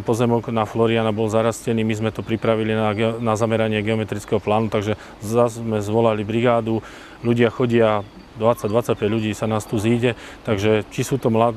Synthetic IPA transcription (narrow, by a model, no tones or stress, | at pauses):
pɔzɛmɔɡnaflɔɾianabɔlzaɾascɛniːmizmɛt̪ɔpɾipɾaʋilinaɡɛnazamɛɾaɲɪɛɡɛɔmɛt̪ɾit͡skɛɦɔplaːnut̪aɡʒɛ | azzmɛzʋɔlalibɾiɡaːd̪u | ʎuɟɪaxɔɟɪa | d̪ʋat͡sːaɟd̪ʋat͡sːac̚pɛɟʎuɟiːsanaːst̪uziːɟɛt̪aɡʒɛt͡ʃisuːt̪ɔmlad̪